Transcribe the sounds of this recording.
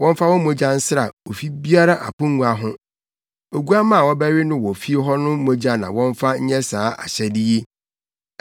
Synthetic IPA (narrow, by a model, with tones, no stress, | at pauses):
wɔ̃˦m˦fa˦wɔ̃˦mõ˦d͡ʑã˦n̩˦sɾa˨wo˨fi˦bi˦a˦ɾa˦ʔa̰˨kʊ̃˦ŋː˦u˨a˨ɦʊ̃˦ | o˨ɡu˦a˦mã˦˨wɔ˦bæ˦ɾɪ˦nʊ̃˦wɔ˨fi˦e˦ɦɔ˦nʊ̃˦mo˦d͡ʑã˦nã̰˨wɔ̃˦ɱ˦fa˦ɲ̩˦ɲɛ̃˦saː˨˦ʔa̰˨ɕɛ˦di˦je˦